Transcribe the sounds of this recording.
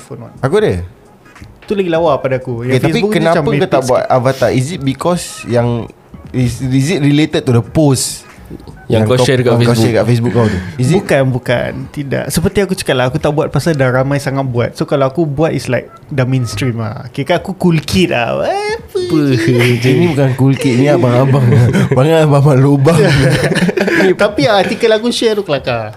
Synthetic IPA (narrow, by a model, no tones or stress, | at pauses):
fonwa̰takudə | t̪ulaɡilawapadaakujãtfaes̬pibukkənãamakkut̪abuat̪avat̪aisit̪̚bikɔsjaŋ | isizit̚ɹilet̪əd̚t̪udəpos | jãŋŋkaʃɛdkaekaɛkafes̬buk̚kawt̪uizibukanbuka̰nt̪ida̰ʔsəpət̪iakut͡ʃə̥kaʔ̚laakut̪aʔbuat̪̚pasadaɾamajsaŋat̪̚bua̰t̪̚sokalaakubuat̪islajk̚damẽnstɾima̰kekaakukulkʰit̪a̰apəpəinĩbukankulkit̪̚nĩabaŋabaŋabaŋaababaloba | t̪apiat̪ikəlakuʃɛt̪ukəlaka